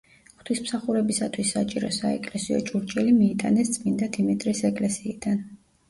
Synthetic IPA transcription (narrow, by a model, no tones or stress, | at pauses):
χt̪ʰismsaχuɾɛbisat̪ʰwisːat͡ʃʼiɾɔ̰saɛ̰kʼlɛsiɔ̰t͡ʃʼuɾt͡ʃʼɛlimiːt̪ʼanɛst̪sʼmind̪ad̪imit̪ʼɾisɛkʼlɛsiid̪̥an